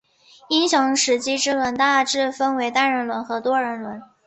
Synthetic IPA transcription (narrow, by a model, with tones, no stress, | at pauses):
i˥nɕjɑ˧˥ŋʂɻ̩˧˥t͡ɕi˥ʈ͡ʂɻ̩˥lwə˧˥nt̪a˥˧ʈ͡ʂɻ̩˥˩fə˥nwe˧˥ɪt̪a˥˩nɻə˧˥nlwə˧˥nxɤ˧˥t̪wɔ˥ɻə˧˥nlwə˧˥n